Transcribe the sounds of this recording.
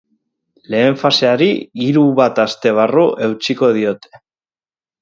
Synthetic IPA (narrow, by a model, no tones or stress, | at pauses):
le̞ːɱfase̞aɾiiɾuβat̪ast̪e̞β̞aruʔe̞wt͡ʃiko̞ð̞io̞t̪e̞̥